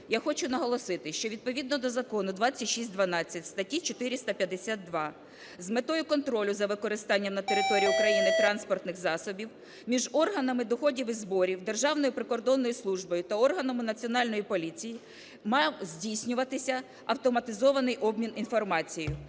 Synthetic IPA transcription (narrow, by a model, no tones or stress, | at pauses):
jaxɔt͡ʃʊnɐɦɔlˠɔsɪt̪ɪʃt͡ʃɔʋʲid̪̚pɔʋʲid̪nɔd̪ɔzɐkɔnʊd̪ʋɑt͡sʲːɐtʲʃisʲtʲd̪ʋɐnɑt͡sʲːɐtʲst̪ɐtʲit͡ʃɔt̪ɪɾʲist̪ɐpʲjɐd̪esʲat̪̚d̪ʋɑ | zmet̪ɔjʊkɔnt̪ɾɔlʲʊzɐʋɪkɔɾɪst̪ɑnʲːɐmnɐt̪eɾɪt̪ɔɾʲijiʊkɾɐjinɪt̪ɾɑnspɔrt̪nɪxzɑsɔbʲiw | mʲiʒɔrɦɐnɐmɪd̪ɔxɔdʲiwɪzbɔɾʲiwd̪e̞rʒɑwnɔjʊpɾɪkɔrd̪ɔnːɔjʊslˠuʒbɔjʊt̪ɐɔrɦɐnɐmɪnɐt͡sʲiɔnɑlʲnɔjipɔlʲit͡sʲiji | mɑwzʲdʲijsʲnʲʊʋɐt̪ɪsʲɐ | ɐwt̪ɔmɐt̪ɪzɔʋɐnɪjʔɔbmʲininfɔrmɑt͡sʲijʊ